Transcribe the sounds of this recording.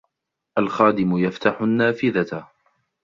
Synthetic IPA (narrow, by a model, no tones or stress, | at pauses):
ʔalxaːd̪ɪmʊjaft̪aħʊnːaːfɪðat